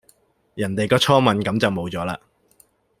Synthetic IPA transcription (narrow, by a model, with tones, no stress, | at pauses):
jɐ˨˩nt̪e˨jkɔː˧t͡ʃʰɔː˥mɐ˨˧nkɐ˨˥mt͡sɐ˨wmo˨˧wt͡sɔː˨˥laː˧